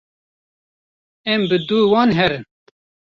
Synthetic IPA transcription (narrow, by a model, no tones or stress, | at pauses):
ɛmbɨd̪uːwɑːnɦɛɾɨn